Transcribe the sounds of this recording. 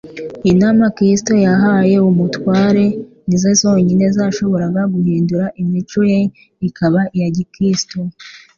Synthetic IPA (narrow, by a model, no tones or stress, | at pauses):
inamakɾisto̞jaɦaje̞umutwaːɾe̞ | nizozo̞ːɲine̞zaːʃo̞βo̞ɾaɡaɡuhiːnduɾaʔimit͡ʃuje̞ | ikʰaβaʔijaɟikɾisto̞